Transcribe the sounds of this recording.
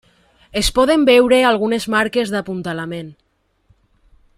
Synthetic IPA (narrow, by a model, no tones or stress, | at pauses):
espɔð̞embɛwɾealˠɣunezmaɾkezðapunt̪alamen